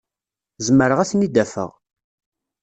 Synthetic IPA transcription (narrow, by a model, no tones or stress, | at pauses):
zəmːəɾəʁæsnid̪æfə̰ʁ